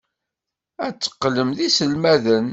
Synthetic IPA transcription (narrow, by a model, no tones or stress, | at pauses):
æt͡sːə̥qːləmðisəlmæðən